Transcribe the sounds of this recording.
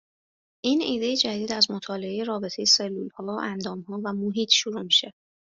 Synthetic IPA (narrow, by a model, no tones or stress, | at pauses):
ʔiːniːd̪e̞jed͡ʒæd̪iːd̪æzmot̪ʰɒːle̞ejeɾɒːbe̞t̪ʰe̞jese̞lːulhɒːʔænd̪ɒːmhɒːvæmoɦiːt̪ʰʃuɾumiʃe